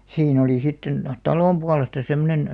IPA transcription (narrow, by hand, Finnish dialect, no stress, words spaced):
siːn oliˑ sitːen tɑloˑm puɑlestɑ semːonen